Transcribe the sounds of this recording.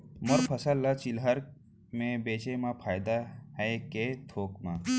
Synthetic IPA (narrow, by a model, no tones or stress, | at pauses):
mɔɾpʰəsəlːat͡ʃɪlɦəɾ | mẽbeːt͡ʃemãpʰaːjd̪aɦɛeket̪ʰoːkmã